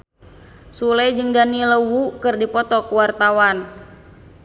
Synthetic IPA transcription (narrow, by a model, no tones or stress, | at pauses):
sulɛjd͡ʒɨŋdaniləwukɨrdipɔt̪ɔkuwart̪awan